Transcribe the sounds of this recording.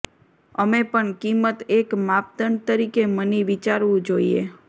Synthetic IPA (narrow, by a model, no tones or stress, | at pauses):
əmepəɳkimət̪ekmap̚d̪əɳt̪əɾikeməniʋit͡ʃaɾʋũd͡ʒoiḛ